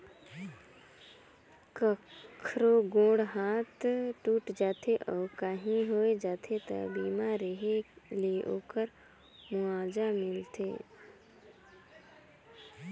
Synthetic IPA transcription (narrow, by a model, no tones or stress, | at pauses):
kəkʰɾoɡõːɽɦaːt̪ʈuːʈd͡ʒaːt̪ʰeʔɔːkaɦĩɦoːed͡ʒaːt̪ʰet̪ə̰biːmãɾeɦeleo̰ːkəɾ | mʊãːd͡ʒamɪlt̪eː